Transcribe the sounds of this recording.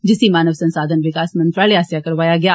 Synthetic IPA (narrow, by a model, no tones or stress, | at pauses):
d͡ʒɪsimaːnəʋsɐ̃nsaːd̪ʱənʋɪkaːsmɐ̃nt̪ɾaːliɦaːsjakɐɾʋaːjaɡɐjaː